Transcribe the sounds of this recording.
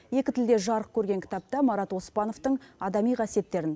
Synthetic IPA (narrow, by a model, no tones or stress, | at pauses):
je̞kʲɪt̪ʰɪld̪e̞ʒɑɾəq̚kʲʰɵɾɡʲe̞ŋkʲʰɪ̥t̪ɑp̚t̪ɑmɑɾɑt̪wo̞spɑno̞ft̪əɴɑd̪ɑmijqʰɑsije̞t̪ːe̞ɾɪn